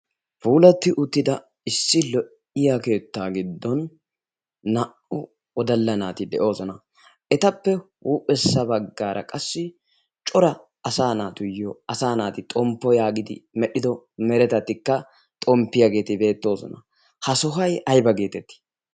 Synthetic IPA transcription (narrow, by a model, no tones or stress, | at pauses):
fuːlɐt̪ːɪʔʊt̪ːɪd̪ɐ | ɪsːɪlɔʔ | ɪjake̞ːt̪ːaːɡɪd̪ːɔnː | ɐʔʊ | ɔd̪ɐlːɐnaːt̪ɪd̪ɛʔo̞ːsɔnɐ | ʔɛt̪ɐpːɛwuːpʼːɛsːɐbɐɡːaːɾʔɐ̰kʼɐsːɪ | t͡ʃʼɔɾɐ | ɐsaːnaːt̪ʊjɔɐsaːnaːt̪ɪt̪ʼɔmpːɔjaːɡɪd̪ɪ̰mɛɗɪd̪ɔmɛɾɛt̪ɐt̪ːɪkːɐ | t̪ʼɔmpːɪjɐɡe̞ːt̪ɪbe̞ːt̪ːo̞ːsɔ̰nɐ | hɐsɔɦɐjʔɐjbɐɡe̞ːt̪ɛt̪ːɪ̥